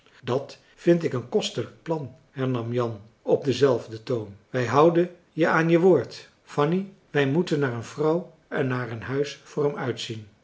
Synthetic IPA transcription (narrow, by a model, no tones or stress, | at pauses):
dɑt | fɪntɪkənkɔstələk̚plɑn | hɛɹnɑmjɑn | ɔb̚dəzɛlˠvdətownʋɛjɦɑwdən | jəaːnjəʋoːɹt | fɑni | ʋɛjmutənːaːɹənvrɑw | ʔɛnːaːɹənɦœɥsfʊːrɛmœɥtsin